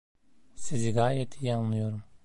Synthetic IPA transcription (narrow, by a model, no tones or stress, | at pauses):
siziɡaːjɛt̪ʰijanlˠɯjo̞ɾum